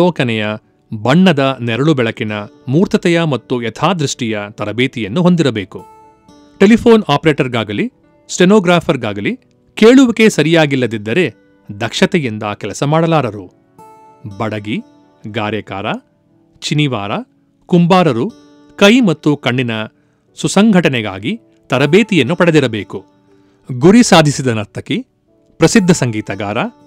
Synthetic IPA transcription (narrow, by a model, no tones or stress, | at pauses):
ɔːkɐnɛjɐ | bɐɳːɐd̪ɐnɛɾɐɭubɛɭɐkinɐmuːɾt̪ɐt̪ɛjɐmɐt̪ːuɛt̪ʰaːd̪ɾiʂʈijɐt̪ɐɾɐbeːt̪ijɐnːuɦo̞nd̪iɾɐbeːku | ʈe̞lipʰoːnaːpɐɾeːʈɐɾɡaːɡɐli | sʈenoːɡɾaːpʰɐɾɡaːɡɐli | keːɭuʋɐke̞sɐɾijaːɡilːɐd̪id̪ːɐɾe̞ | d̪ɐkʂɐt̪ɛjind̪ɐkɛlɐsɐmaːɽɐlaːɾɐɾu | bɐɽɐɡi | ɡaːɾjɐka̰ːɾɐ | t͡ʃiniʋa̰ːɾɐ | kumbaːɾɐɾu | kɐjmɐt̪ːukɐɳɖinɐ | susɐŋɡʱɐʈɐnɛɡa̰ːɡi | t̪ɐɾɐbeːt̪ijɐnːupɐɽed̪iɾɐbeːku | ɡuɾisaːd̪ʱisid̪ɐnɐɾt̪ʰːɐki | pɾɐsid̪ʱːɐsɐŋɡiːt̪ɐɡaːɾɐ